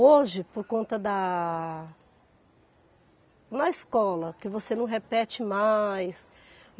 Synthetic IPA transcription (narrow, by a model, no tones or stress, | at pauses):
oʒɪpoɾkõnt̪ɐd̪ɐ | nɐiskɔlɐkɪvosenɐ̃w̃ɦepɛt͡ʃɪmajs